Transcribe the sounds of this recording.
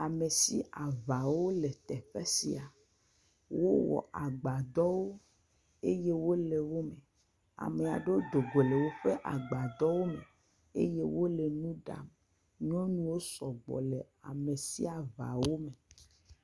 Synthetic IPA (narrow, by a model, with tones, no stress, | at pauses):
a˨me˨si˦a˨va˨wo˦le˨t̪ɛ˨ɸe˦si˦a˨ | wo˦wɔ̰˨ʔa˨ɡ͡ba˨d̪ɔ˦wo˦ | e˦je˦wo˦le˨wo˦me˨ | a̰˨me˨a̰˨ɖo˦d̪o˨ɡo˨le˨wo˦ɸe˦ʔa̰˨ɡ͡ba˨d̪ɔ˦wo˦me˨ | ḛ˦je˦wo˦le˨nũ˦ɖa̰˨m | ɲɔ̃˦nũ˦wo˦sɔ˨ɡ͡bɔ̰˨le˨ | a̰˨me˨si˦a˨va̰˨wo˦me˨